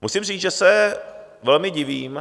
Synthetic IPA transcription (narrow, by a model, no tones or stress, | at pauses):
musimriːt͡sʒɛsɛ | vɛlmɪɟɪviːm